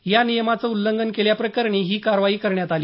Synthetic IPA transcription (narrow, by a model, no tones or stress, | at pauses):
janijəmat͡səulːəŋɡənkeljapɾəkəɾɳiːɦiːkaɾʋaiːkəɾɳjat̪aliː